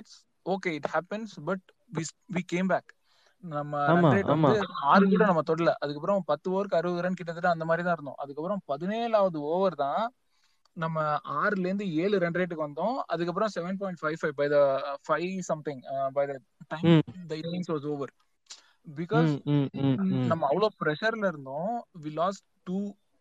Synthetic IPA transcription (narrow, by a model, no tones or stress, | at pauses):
ɪʈs | oːkeːɪʈhæːpɛnsbɐʈ̚ | ʋiʋiːkẽːmbæːk | nɐmːɐɾːɾɛɖɾeːʋɐnɯaːɾkuːɽɐ̃nɐmːɐt̪ɔɽlɐʔɐðɯkːɐpːɯɾɔ̃pɐt̪ːɯoːɾɯkːɯɐɾɯʋɾɐnkɪʈ̬ːɐðɯʈːãɐnd̪ɐmaːd̪ɾit̪ãːɪɾɯnd̪õ̰ʔɐðɯkːɐpːɯɾɔ̃pɐðɯneːɭaːʋɐðɯoːʋɐɾt̪ãː | nɐmːɐaːɾlɐɾɯnd̪ɯeːɭɯɾɛɳɖɾeːʈ̬ːɯkːɯʋɐnd̪õːɐ̰ðɯkːɐp̬ːɯɾɔ̃sɛʋɛnp̬ɔːɪ̃ɳʈfɐɪʋfɐɪbɐɪðɐfɐɪsɐ̃mt̪ɪ̃ŋbɐɪðɐ | ʈɐ̃ɪmd̪ɐɪnnɪ̃ŋsʋɔːsoːʋɐɾ | bɪkɔːz | nɐmːɐɐʋːɐɭoːpɪɾɛʂɐɾlɐɪɾɯnd̪õːʋiːlɔːsʈʈuː